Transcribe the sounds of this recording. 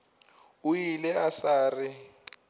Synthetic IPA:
ujilɛasaːrɪ

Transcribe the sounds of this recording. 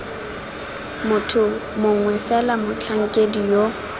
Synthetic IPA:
mʊtʰʊmʊŋ̩wɛfɛlamʊt͡ɬʰaŋ̩kʼedijo

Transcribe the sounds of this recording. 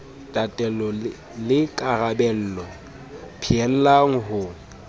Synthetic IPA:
tʼatʼɛlɔ | lɪkʼarabɛl̩ːlɔ | pʰiɛl̩laŋ̩ɦʊ

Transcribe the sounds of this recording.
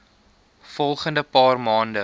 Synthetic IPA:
fɔlˠχəndəpɑːrmɑːndə

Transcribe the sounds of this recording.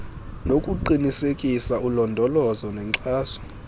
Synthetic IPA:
nokʼuǃinisekʼisaulɔndʱɔlɔzɔnɛŋǀaːzɔ̥

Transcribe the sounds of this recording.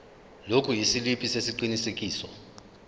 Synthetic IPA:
lokʰujisilipʼisesiǃinisek̬ʼiːsɔ

